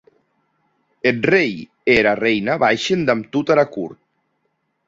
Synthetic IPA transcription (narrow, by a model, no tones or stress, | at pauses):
et̪rej | eɾarejnaβajʃend̪amt̪ut̪aɾakuɾt̪̚